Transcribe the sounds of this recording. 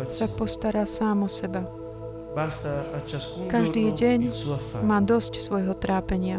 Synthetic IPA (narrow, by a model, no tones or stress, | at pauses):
sapɔst̪aɾaːsaːmɔsɛba | kaʒd̪iːɟɛɲmaːd̪ɔscsʋɔjɦɔt̪ɾʔaːpɛɲɪa